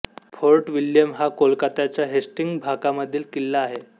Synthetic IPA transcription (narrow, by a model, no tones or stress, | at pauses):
fʰoɾʈʋiljəmɦakolkat̪at͡ɕjaɦesʈiŋɡbʱakaməd̪ʱːiːlkilːaːɦe